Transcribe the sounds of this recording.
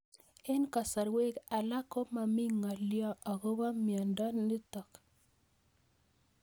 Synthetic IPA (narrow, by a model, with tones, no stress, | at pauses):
e˦nka˨sa˨ɾwe˦ka˨la˦ko˦ma˨mi˦ŋa˨ljɔ˦a˨ɣo˦βa˦mjɔ˨ndɔ˦nɪ˦tɔ˨k